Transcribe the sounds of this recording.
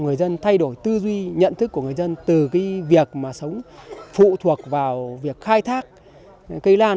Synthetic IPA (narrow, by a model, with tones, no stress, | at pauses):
ŋɨ˨˩əjzə˧nt̪ʰa˧jɗo˧˩jt̪ɨ˧zwi˧ɲə̰˧˨nt̪ʰɨ˦˥k̚ːu˧˩əŋɨ˨˩ə˩jzə˧nt̪ɨ˨˩kaː˨˦jvi˨˩ək̚maː˨˩sə˨˦wŋ͡mfṵ˧˨t̪ʰu˨˩ək̚vaː˨˩wvi˨˩ək̚xaː˧jt̪ʰaː˦˥k̚ | kə˧jlaː˧